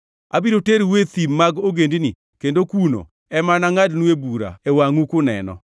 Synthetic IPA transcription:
a̰biɾoteɾwet̪imːaɡoɡendini | kendokuno̰ | ɛmanaŋadnuebuɾa̰ewaŋukʊnɛ̰nɔ̰

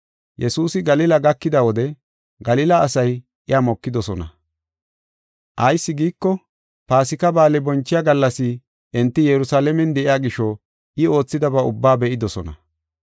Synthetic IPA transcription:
jɛsuːsɪɡɐlɪlɐɡɐkːɪd̪ɐwɔd̪ɛ | ɡɐlɪlɐːsɐj | ʔɪjamɔkːɪd̪ɔsɔnɐ | ʔɐjsːɪɡiːkːɔ | paːsɪkɐbaːlɛbɔnt͡ʃːɪjaɡɐlːɐsɪ | ʔɛnt̪ːɪjɛɾʊsaːlɛmɛnd̪ɛʔɪjaːɡɪʃɔ | ɪo̞ːt͡sːɪd̪ɐbɐʊbːaːbɛʔɪd̪ɔsɔnɐ̰

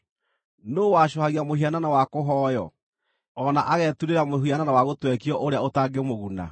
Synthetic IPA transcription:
noːwaɕɔhaɣiamoɦiananawakoɦɔːjɔ | ɔnaʔaɣɛtuɾeɾamoɦiananawaɣotwɛkiɔʔoɾeaotaːɡemoɣuna̰

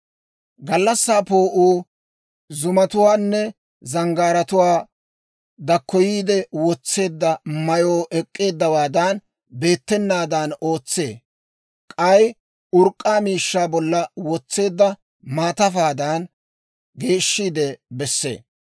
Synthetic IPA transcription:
ɡɐlːɐsːaːpo̞ːʔuː | zʊmɐt̪ʊwaːnːɛ | zɐŋɡaːɾɐt̪ʊwaː | d̪ɐkːɔjiːd̪ɛwɔt͡sːe̞ːd̪ːɐmɐjoːʔɛkʼːe̞ːd̪ːɐwaːd̪ɐn | be̞ːt̪ːɛnːaːd̪ɐno̞ːt͡sːe̞̰ː | kʼɐj | ʊɾkʼːaːmiːʃːaːbɔlːɐwɔt͡sːe̞ːd̪ːɐ | maːt̪ɐfaːd̪ɐn | ɡe̞ːʃːiːd̪ɛbɛsːe̞̰ː

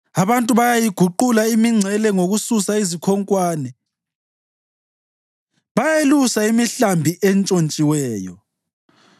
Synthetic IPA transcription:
aβantʼuβajajiɡ̥ʱuǃulaimiŋ͡ǀʱɛlɛŋoɣususaizikʰɔŋkʼwaːnɛ | βajelusaimiɬambʱiʔɛnt͡ʃʼont͡ʃʼiwɛːjɔ̰

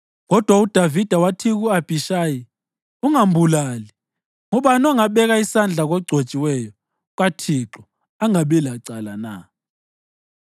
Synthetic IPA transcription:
ɣɔd̥ʱwaud̥ʱavid̥ʱawatʰiɣuab̥ʱiʃaːji | uŋambʱulali | ŋuɓanɔŋaɓɛɣaisand͡ɮʱaɣɔɡ͡ǀʱot͡ʃʼiwɛjɔ | ɣatʰiǁɔ | aŋaɓɛlaǀalana̰

